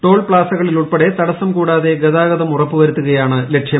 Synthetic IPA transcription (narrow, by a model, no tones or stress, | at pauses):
ʈo̞ːɭpɭaːsɐɣɐɭiluɭpeɽe̞t̪ɐɽɐsːɐmkuːɽaːðe̞ɡɐðaːɣɐðɐmurɐpːɨʋɐɾut̪ːuɣɐjaːɳɨle̞ʈʂjɐm